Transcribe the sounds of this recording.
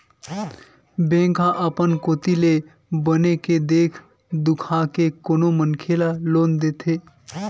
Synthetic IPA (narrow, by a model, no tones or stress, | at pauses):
bẽːŋkãʔəpənkoːt̪ile | bəneked̪eːkʰ | d̪ʊkʰakekonomənkʰelaloːnd̪eːt̪ʰe